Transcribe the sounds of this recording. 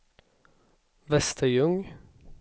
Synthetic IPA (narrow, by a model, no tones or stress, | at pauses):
ʋɛst̪ʰəjʉŋ